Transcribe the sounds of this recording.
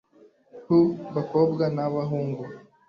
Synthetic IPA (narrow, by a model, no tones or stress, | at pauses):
hubakobɡanaβaɦuːŋɡu